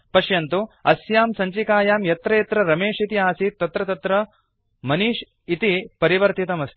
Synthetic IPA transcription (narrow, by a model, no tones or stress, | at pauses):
pɐʃjɐnt̪uɐsjaːmsɐɲt͡ʃikaːjaːmjɐt̪ɾɐjɐt̪ɾɐɾɐmeːʂit̪iaːsit̪ːɐt̪ɾɐt̪ɐt̪ɾɐ | mɐniʃ | it̪ipɐɾiʋɐɾt̪it̪ɐmɐst̪ʰi̥